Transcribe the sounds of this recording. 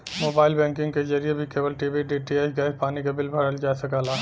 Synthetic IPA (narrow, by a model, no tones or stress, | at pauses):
moːbaːɪlbɛ̃ːŋkɪ̃ŋɡked͡ʒɐɾijebʱikeːbəlʈiːbiɖiːʈiesɡaːɪspaːnikabɪlbʱɐɽəld͡ʒaːsɐkaːlaː